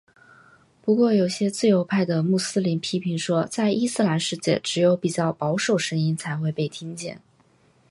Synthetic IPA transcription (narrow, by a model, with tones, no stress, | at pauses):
pu˧˥kwɔ˥˩jo˨˩ʊɕjɛ˥t͡sɹ̩˥˩jo˧˥ʊpʰa˥˩ɪd̪ə˩mu˥˩sɹ̩˥li˧˥npʰi˥pʰi˧˥ŋʂwɔ˥t͡sa˥˩ɪʔi˥sɹ̩˥la˧˥nʂɻ̩˥˧t͡ɕjɛ̰˥˩ʈ͡ʂɻ̩˧˥jo˧˥ʊpi˨˩t͡ɕjɑ˥˩ʊpɑ˧˥ʊʂo˨˩ʊʂə˧˥ŋi˥nt͡sʰa˧˥ɪxwe˥˧ɪpe˥˩ɪt̪ʰi˥ŋt͡ɕjɛ̰˥˩n